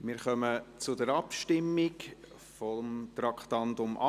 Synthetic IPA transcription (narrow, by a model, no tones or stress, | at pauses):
mɪɾχœmət͡sʊdəɾɑpʃtɪmːik | fɔmt̪rɑkχt̪ɑntʊmʔɑ